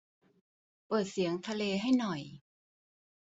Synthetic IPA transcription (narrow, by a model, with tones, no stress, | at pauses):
pɤː˨˩t̪̚si˩˦əŋt̪ʰa˧leː˧ɦa˥˩jnɔ˨˩j